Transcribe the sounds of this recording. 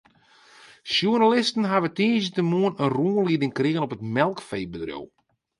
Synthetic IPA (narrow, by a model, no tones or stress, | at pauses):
sjuənalɪstən̩ɦaʋətiːnzətəmuənənruənlidɪŋkrɪɣənɔpətmɛlˠkfej̚bədrjo̰w